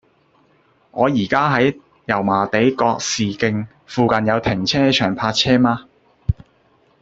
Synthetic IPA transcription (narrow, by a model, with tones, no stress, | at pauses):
ŋɔː˨˧jiː˨˩kaː˥ɦɐ˨˥j | jɐ˨˩wmaː˨˩t̪e˨˥jkɔː˧k̚siː˨kɪ˧ŋ | fuː˨kɐ˨njɐ˨˧wt̪ʰɪ˨˩ŋt͡sʰɛː˥t͡ʃʰœː˨˩ŋpʰaː˧t̚t͡sʰɛː˥maː˧